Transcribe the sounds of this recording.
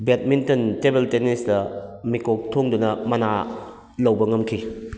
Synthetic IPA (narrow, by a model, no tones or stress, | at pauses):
bet̚mintɐntebeltenisdɐmikok̚tʰoŋdunɐmɐna | lɐwbɐŋɐmkʰi